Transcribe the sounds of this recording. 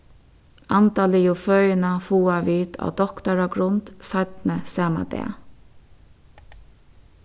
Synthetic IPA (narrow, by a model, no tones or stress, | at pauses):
ʔant̪ɑːlɪjʊfœʏnafuːaʋiːt̪ʰa̰wd̪ɔkt̪aɾaɡɾʊnt̪sat̪nəsɑːma̰d̪ɛ̰ː